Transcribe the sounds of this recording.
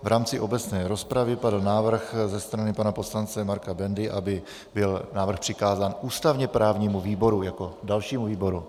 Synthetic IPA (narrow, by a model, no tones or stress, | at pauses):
vɾaːmt͡sɪʔo̞bɛt͡snɛːɾo̞spɾavɪpadl̩naːvr̩xzɛst̪ɾanɪpanapo̞slant͡sɛmaɾkabɛndɪʔabɪ | bɪlnaːvr̩xpr̝̥ɪkaːzaːnʔuːst̪avɲɛpɾaːvɲiːmuviːbo̞ɾujako̞dalʃiːmuviːbo̞ɾu